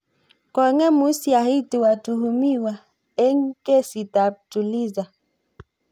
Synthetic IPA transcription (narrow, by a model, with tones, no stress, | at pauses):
kɔ˨˦ŋɛ˦mu˨˦sja˨hi˦te˨wa˨tu˨hu˨mi˦wa˨ | ɛ˦ŋ̩˦kɛ˦si˨ta˨p̚tu˨li˦za˨